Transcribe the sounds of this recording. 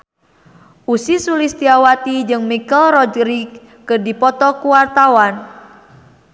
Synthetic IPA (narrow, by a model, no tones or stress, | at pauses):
ʔusisulist̪iawat̪id͡ʒɨŋmikɛlrɔdɾikː | ərdipɔt̪ɔkuwart̪awan